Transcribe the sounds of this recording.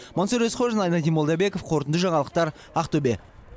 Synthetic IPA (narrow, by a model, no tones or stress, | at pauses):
monsoɾesqʰoʒɑnɑjnɑt̪imod̪ɑbe̞kofqʰo̞ɾt̪ənd̪əʒɑɴɑlˠəq̚t̪ɑɾ | ɑqt̪obe